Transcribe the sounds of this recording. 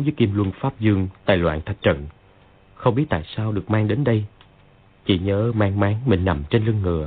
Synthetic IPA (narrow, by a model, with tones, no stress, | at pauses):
ŋ͡mvəː˨˦jki˧mlwɨ˧nfaː˦˥p̚zɨ˧əŋt̪a̰ː˧˨jlwa̰ː˧˨nt̪ʰa˨˩t̚t͡ɕə̰˧˨n | xə˧wŋ͡mɓi˦˥ət̚t̪a̰ː˧˨jsaː˧wɗɨ˨˩ək̚maː˧ŋɗe˨˦nɗə˧j | t͡ɕḭ˧˩ɲəː˨˦maː˧ŋmaː˨˦ŋmï˧˨˩ŋna˨˩mt͡ɕe˧nlɨ˧əŋːɨ̰˨˧˩ə